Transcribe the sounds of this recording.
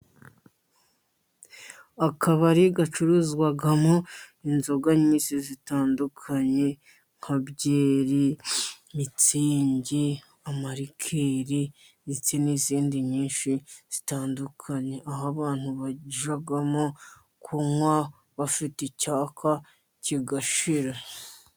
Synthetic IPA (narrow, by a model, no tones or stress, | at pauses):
akʰaβaɾiɡat͡ʃuɾuzɡwaɡamoinzo̞ɡaɲiːsizitaːndukʰaɲe̞ | ŋ̥hʰabɟeːɾi | mit͡siːɲɟi | amaɾikʰeːɾi | zit͡seniziːndiɲiːnʃiz̥itaːndukʰaɲe̞ʔaɦaβaːn̥huβaɟiʒaɡamo | kʰumwa | βafitecaːkʰa | ciɡaʃiɾa